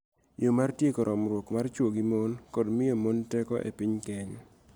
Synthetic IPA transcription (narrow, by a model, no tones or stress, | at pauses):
jomartjekɔɾʔɔmɾwokmart͡ʃwoɡimonkɔdmɪjomontɛkɔʔḛpiɲkɛɲ